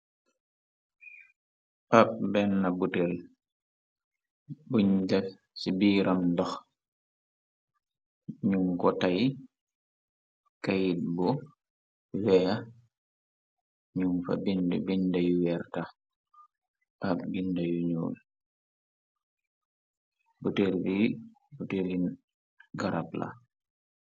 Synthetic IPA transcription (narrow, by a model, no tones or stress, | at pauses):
ʔap̚bɛnːabutɛl | buɲda | sibiːɾʔamdɔx | ɲuŋkɔtaj | kajit̚bɔ | wɛa | ɲuŋfa̰bindbindajuwɛɾta | akbindajuɲṵːl | butelbi | butelin | ɡaɾap̚la̰